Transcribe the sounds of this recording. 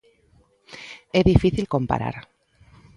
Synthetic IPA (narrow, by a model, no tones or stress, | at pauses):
eðifiθilko̞mpa̰ɾa̰ɾ